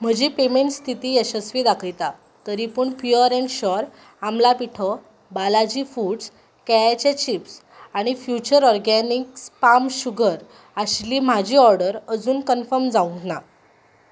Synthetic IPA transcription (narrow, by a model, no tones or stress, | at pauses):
m̤əd͡ʑiːpemeɳʈst̪ʰit̪iːjəɕəsʋiːd̪akʰəjt̪a | t̪əɾipəːɳpjuəɾɛ̃ɳʈɕɔɾ | amlapiʈʰɔ | balad͡ʑiːfuːɖs | keajt͡ɕet͡ɕips | aɽ̃ifjut͡ɕəɾɔɾɡɛnikspamɕuɡʱəɾ | aɕliːm̤ad͡ʑʱiːɔɾɖəɾəd͡zuːnkənfəɾmd͡zaũt̪na